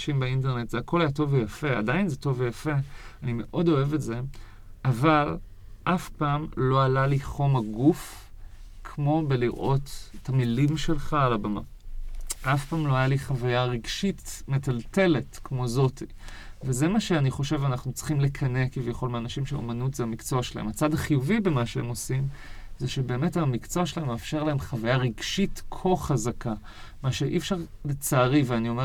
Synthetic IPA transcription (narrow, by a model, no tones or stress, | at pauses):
ʃimbeint̬eʁne̞tz̥eakʰo̞lajato̞vejafe̞a̰dainzeto̞vejafe̞anime̞ʔo̞do̞e̞vetze̞ | ʔaval | ʔafpaːmlo̞alaliχo̞maɡuf | kʰmo̞beliʁʔo̞tetʰamilimʃe̞lχaːlabama̰ | ʔafpaːmlo̞ajaliχavajaʁiɡʃitme̞talte̞le̞tkmo̞zo̞tʰi | veze̞maʃeaniχo̞ʃe̞vanaχnut͡sχimlekʰɐne̞kivjaχo̞lmeanaʃimʃeo̰manutzeamikt͡soaʃela̰emat͡sadaχijuvibemaʃeemo̞simzeʃe̞be̞ːme̞tamikt͡soaʃelahemːeːfʃe̞ʁlaemχavajaʁiɡʃitkʰo̞χazakʰa | maʃe̞ʔifʃaʁle̞t͡saːʁiveanio̞me